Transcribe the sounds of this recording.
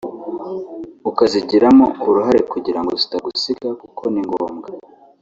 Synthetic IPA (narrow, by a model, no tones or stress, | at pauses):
ukaziɟiɾamo̞uɾuɦaɾe̞kuɟiɾaŋɡotu̥taɡusiɡakukʰo̞niŋɡoːmɡa